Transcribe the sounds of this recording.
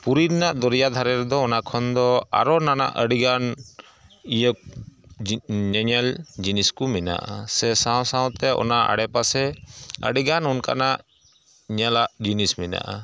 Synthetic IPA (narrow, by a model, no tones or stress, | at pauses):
puɾiɾnaʔd̪ɔɾijad̪ʱaɾɛɾd̪ɔːnakʰɔnd̪ɔa̰ɾɔnana̰ʔəɖiɡan | ijək̚ | ɲɛɲɛld͡ʒiniskumina̰ʔa̰sɛsawsãw̃t̪ɛʔɔ̰naʔa̰ɽɛpasɛə̰ɖiɡanɔnka̰naʔ | ɲɛlaʔd͡ʒinismina̰ʔa